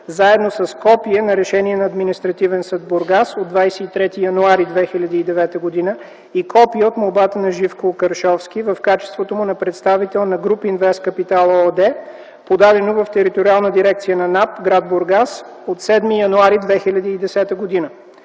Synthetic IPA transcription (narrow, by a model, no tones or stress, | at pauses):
zaɛd̪nosəskɔpiənɐɾɛʃɛniɛnɐːd̪minist̪ɾɐt̪ivɛnsəd̪̚boɾɡasod̪d̪vajsɛit̪ɾɛt̪ijɐnuaɾid̪vɛxilʲɐd̪iːd̪ɛvɛt̪əɡod̪inə | ikɔpiəot̪molˠbat̪ənɐʒifkokɐɾʃɔfskʲivɐfkat͡ʃɛ̥st̪vot̪omʊnɐpɾɛt̪st̪avit̪ɛlˠnɐɡɾupinvɛskɐpit̪alˠɔd̪ɛ | pod̪ad̪ɛnovɐft̪ɛɾit̪oɾialˠnəd̪iɾɛkt̪sijənɐnapɡɾad̪̚boɾɡas | ot̪sɛd̪mijɐnuaɾid̪vɛxilʲɐd̪iːd̪ɛsɛt̪əɡod̪inə